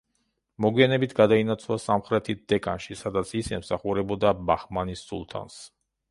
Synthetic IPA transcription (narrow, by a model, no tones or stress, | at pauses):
mɔɡwianɛbit̪ʰɡad̪ainat̪sʰvlˠasamχɾɛt̪ʰit̪̚d̪̥ɛkʼanʃisad̪at̪sʰisɛmsaχuɾɛbɔd̪abaχmanisːṵlˠt̪ʰa̰ns